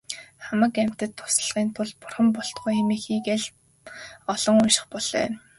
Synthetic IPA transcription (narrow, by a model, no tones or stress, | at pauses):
χamə̆kæm̥ʲt̪ɘ̆t̪ʰːʊ̥sə̆ɮʁiːnt̪ʰʊɮpʊrχə̆mpɔɬt̪ɢujemiːxiːkeɮ | ɔɮ̥ɞ̆ŋʊnʃɪ̥̆χpɔɮ̥œ̰ː